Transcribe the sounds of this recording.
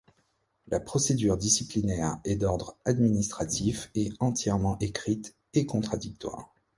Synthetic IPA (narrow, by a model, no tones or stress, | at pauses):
lapχɔsed̪yʁd̪isiplinɛʁɛd̪ɔʁd̪ʁad̪minist̪χat̪ʰifɛɑ̃t̪jɛʁmɑ̃ʔekχit̪ | ekɔ̃t̪χad̪ik̚t̪wa̰ʁ